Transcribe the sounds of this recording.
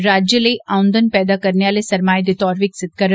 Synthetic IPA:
ɾaːd͡ʒjələiʔaːʊ̃nd̪ənpɛːd̪akɐɾnejaːlesɐɾmaːjd̪et̪ɔːɾʋɪksɪt̪̚kəɾ

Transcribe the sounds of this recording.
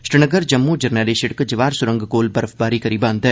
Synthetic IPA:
ʃɾɪnəɡəɾd͡ʒɐmːud͡ʒɐɾnɛːliʃɪʈkd͡ʒɪʋaːɾsʊɾə̃ŋɡkoːlbɐɾəfbaːɾikɐɾiːbãːnd̪e

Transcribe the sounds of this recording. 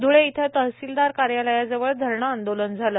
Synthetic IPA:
d̪ʱuɭeit̪ʰət̪əɦsild̪aɾkaɾjaləjad͡zəʋəɭd̪ʱəɾɳəːnd̪olənd͡zʱaləː

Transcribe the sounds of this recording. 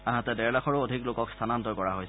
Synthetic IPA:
anatɛdɛɹlaxʰɔɹoodʱiklokɔkstʰanantɔɹkɔɹaɦojs

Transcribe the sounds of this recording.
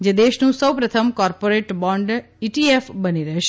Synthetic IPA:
d͡ʒed̪eʃnũsəwpɾət̪ʰəmkɔɾpoɾeʈbɔ̃ɳɖ | iʈiefbəniɾəɦeʃ

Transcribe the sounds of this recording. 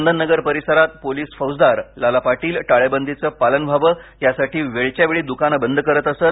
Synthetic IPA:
nd̪ʱənːəɡəɾpəɾisəɾat̪̚poliːsfəwsd̪aɾlalapaʈiːlʈaɭebənd̪ʱit͡səːpalənbʱaʋəːjasaʈiːʋeɭt͡ɕjaʋeɭiːd̪ukanəbənd̪ʱəkəɾət̪əsəːt̪

